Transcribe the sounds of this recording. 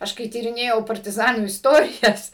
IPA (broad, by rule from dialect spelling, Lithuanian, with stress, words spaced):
ˈɐʃ kɐɪ tʲiːrʲɪˈnʲeːjɛʊ pɐrʲtʲɪˈzɑːnuː ɪsˈtoːrʲɪjɛs